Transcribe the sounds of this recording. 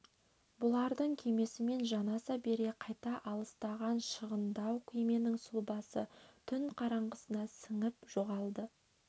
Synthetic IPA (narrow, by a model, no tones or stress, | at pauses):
bʊlˠɑɾd̪əɴkʲʰeme̞sɪme̞nʒɑnɑsɑbe̞ɾe̞qʰɑjt̪ɑʔɑlˠəst̪ɑʁɑnʃəʁənd̪ɑwkʲʰejme̞nɪŋsulˠbɑsə̰t̪ʰʏnqʰɑɾɑɴʁəsənɑsəŋəpʒ̥o̞ʁɑlˠd̪ə